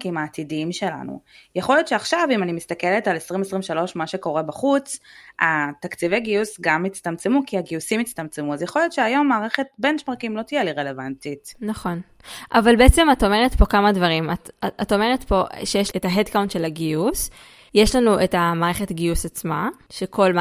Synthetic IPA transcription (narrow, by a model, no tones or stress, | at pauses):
kimaːt̪idiimʃe̞la̰nṵjeχo̞ljo̞t̪ʃeaχʃavimanimist̪akeletalesʁimesʁimʃalo̞ʃmaʃe̞ko̞ʁebaχut͡sat̪akt͡siveɡiusɡamit͡st̪amt͡semukiaɡiusimit͡st̪amt͡semuazjeχo̞ljot̪ʃeajo̞mːaːʁeχet̚bent͡ʃmaʁkimlo̞t̪ijɛliʁele̞vantitnaχo̞n | ʔavalbeet͡se̞mato̞me̞ʁetpo̞kamadvaʁimatato̞me̞ʁetpo̞ʃejeʃetaɦedkawnt̪ʃe̞laɡius | jeʃlanuʔetamaːʁeχe̞tɡiusat͡smaʃekʰo̞lm